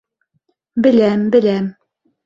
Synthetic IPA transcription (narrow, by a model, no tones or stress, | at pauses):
bɘ̆læmbɘ̆læm